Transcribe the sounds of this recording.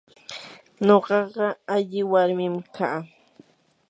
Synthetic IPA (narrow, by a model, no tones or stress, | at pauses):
ɲoɢɑɢɑaʎɪwaɾmɪmkʰaː